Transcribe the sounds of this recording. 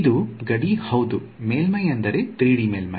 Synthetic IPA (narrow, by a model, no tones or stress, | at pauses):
d̪uɡɐɽihɐwd̪u | meːlmɐjɐnd̪ɐɾet̪ɾiːɽimeːlmɐj